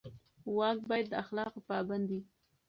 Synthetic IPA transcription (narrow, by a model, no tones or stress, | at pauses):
wɑk̚bɑjad̪ːəaxlɑqopɑband̪i